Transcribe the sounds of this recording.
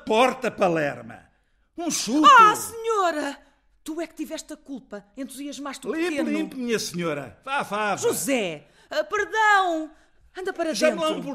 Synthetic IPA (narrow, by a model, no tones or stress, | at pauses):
pɔɾt̪ɐpɐlˠɛɾmɐ̰ | ũʃuasɨɲoɾɐ | t̪uɛkt̪ivɛʃt̪ɐkulˠpɐẽnt̪ɾuziɐʒmajʃt̪ulˠiĩmpelˠĩmpumiɲɐsɲoɾɐ̰vavaʒuzɛ | ɛpɨɾðɐ̃w̃ | ɐ̃nd̪ɐpɐɾɐʒɐ̃mɐ̃pu